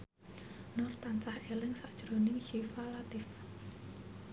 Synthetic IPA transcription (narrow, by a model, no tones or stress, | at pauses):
nʊrt̪ant͡ʃahelɪŋsaʔd̥ʒ̥ɾonɪŋʃifalat̪ɪf